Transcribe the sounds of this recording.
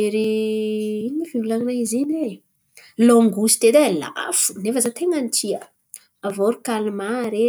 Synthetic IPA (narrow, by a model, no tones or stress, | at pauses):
eɾi | iniifivulaŋinaizene | loŋɡusi̥t̪ed̪ela̰fu̥nefəzat̪eŋanit͡ʃiə | avoɾikalimaɾe